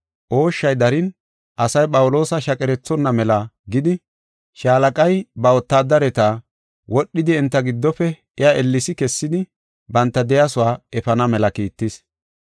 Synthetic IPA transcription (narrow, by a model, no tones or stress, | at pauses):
ʔo̞ːʃːɐjd̪ɐɾɪn | ʔɐsɐjpʼɐwʊlo̞ːsɐʃɐkʼɛɾɛt͡sːɔnːɐmɛlɐɡɪd̪ɪ | ʃaːlɐkʼɐjbɐwɔt̪ːaːd̪ɐɾɛt̪aː | wɔɗːɪd̪ɪɛnt̪ːɐɡɪd̪ːɔfɛ | ɛjaʔɛlːɪsɪkɛsːɪd̪ɪ | bɐnt̪ːɐd̪ɛjasʊwaːɛfɐnɐmɛlɐkiːt̪ːɪs